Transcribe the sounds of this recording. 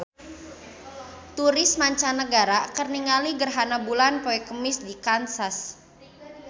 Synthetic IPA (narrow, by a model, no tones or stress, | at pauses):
t̪uɾɪsmaɲt͡ʃanːəɡaɾakərniŋaliɡərɦanabulanpoɛkəmɪsdikansas